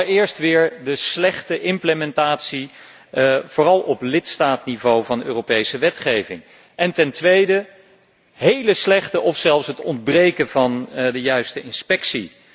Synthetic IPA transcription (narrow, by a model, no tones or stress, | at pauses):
ɹɪːɹstʋɪːɹdəslɛχtəʔɪmpləmɛntaːtsi | v̥ʊːrɑlˠɔplɪtstaːtnivowvɑnøːrowpejsəʋɛtχejvɪ̰ŋ | ʔɛntɛntʋejdə | ɦejləslɛχtəʔɔfsɛlˠfsɦətɔndbrejkənvɑndəjœɥstəʔɪnspɛksḭ